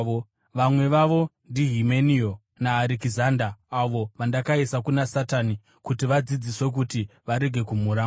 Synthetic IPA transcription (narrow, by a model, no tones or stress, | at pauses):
ʋamwe̞ʋaʋo̞ | ndiɦimenio | naːɾikizandaːʋo̞ʋandakaisakunasatani | kutiʋad͡zid͡ziswe̞k̬utiʋaɾe̞ɡʱe̞kumuɾaː